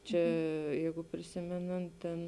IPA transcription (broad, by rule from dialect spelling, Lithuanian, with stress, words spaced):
ˈt͡ʃʲɛ ˈjɛɪɡʊ pʲrʲɪˈsʲɪmʲɛnɐnt tʲɛn